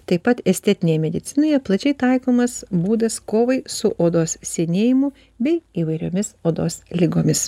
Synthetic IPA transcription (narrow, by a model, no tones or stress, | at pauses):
t̪ɐɪpːɐt̪ɛsʲt̪ʲɛt̪ʲɪnʲeːjɛmʲɛd̪ʲɪt̪sʲɪnoːjɛplˠɐt͡ʃʲɛɪt̪ɐɪkoːmɐsbuːd̪ɐskoːʋɐɪsʊʔoːd̪oːssʲɛnʲeːjɪmʊ | bʲɛɪiːʋɐɪɾʲo̰ːmʲɪsoːd̪oːslʲɪɡoːmʲɪs